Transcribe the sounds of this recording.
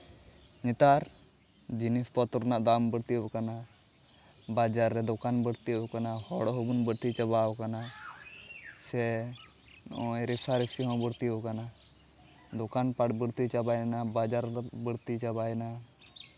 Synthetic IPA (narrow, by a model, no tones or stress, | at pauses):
nit̪aːɾ | d͡ʒinist̪ɔt̪uɾnaʔd̪aːmbəɽt̪ikana | baːd͡ʒaːɾːɛd̪ʊkaːnbəɽt̪ikanahɔɽɦobunbəɽt̪it͡ʃɐbaːwkana | se | oɾisaɾisiɦãbəɽt̪iokana | d̪ʊkaːnpaɽbəɽt̪it͡ʃabaːjnabaːd͡ʒaɾbəɽt̪it͡ʃɐbaːjna